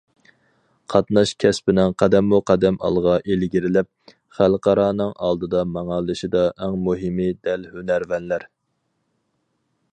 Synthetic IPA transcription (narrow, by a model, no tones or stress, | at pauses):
qʰɑt̪nɑʃkʲʰɛspɪnɪŋqʰɛd̪ɛmːuqʰæd̪ɛmɑ̰lˠʁɑʔelɡʲiɾɪlɪp̚ | χælˠqʰɑɾɑːnɨŋʔɑ̰lˠd̪ɨd̪ɑmɑŋɑlˠɨʃɪd̪ɑʔɛŋmuɦɪmɨd̪ɛlhønæɾvɛnlæɾ